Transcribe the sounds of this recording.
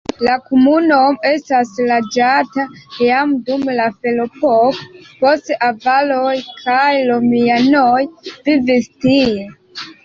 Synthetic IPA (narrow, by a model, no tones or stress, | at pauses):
lakomunome̞staslad͡ʒatajamdumlafelopokpo̞stʔavalojkʰajlomianojvivistie